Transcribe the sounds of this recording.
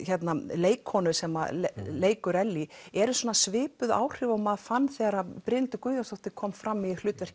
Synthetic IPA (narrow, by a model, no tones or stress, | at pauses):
çɛt̪naleːjkʰhɔnʏsɛma̰lleːjkʏɾɛlːiɛɾʏswɔːnasvɪːpʏða̰ːwr̥ɪːvɔmaðfanːθɛːɣaɾapɾɪnt̪ʏkʏːðast̪ɔwht̪ɪkʰɔːmfɾamːilʏːt̪vɛr̥c